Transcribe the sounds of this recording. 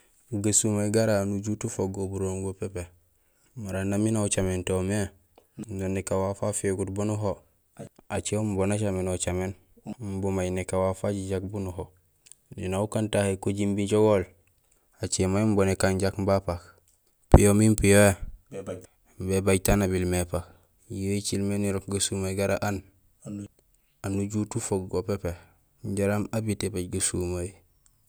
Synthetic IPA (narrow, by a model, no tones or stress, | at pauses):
ɡasumaɡaɾanuɟutufoɡobuɾoŋɡopepe | maɾanːaminaut͡ʃamentome | ndonːekawafafeɡutbunuɦo | at͡ʃeombonat͡ʃamenot͡ʃamen | mbomajnekawafaɟiɟak̚bunuɦo | dinaukantahekoɟimbiɟoɡol | at͡ʃemajmbonekaɲɟakmbapak | pijomimpijoje | mbebaɟtanabilmepak | joit͡ʃilmeniɾokɡasumajɡaɾaʔan | anuɟutufoɡɡopepe | ɲɟaɾamabitebaɟɡasumaj